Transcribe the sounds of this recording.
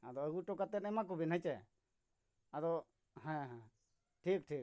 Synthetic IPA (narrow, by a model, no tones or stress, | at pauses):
ad̪ɔəɡuʈɔkat̪ɛnɛmak̬ubɛnɦat͡ʃɛ | ad̪ɔ | hɛ̃ɦ | ʈʰik̚ʈʰik̚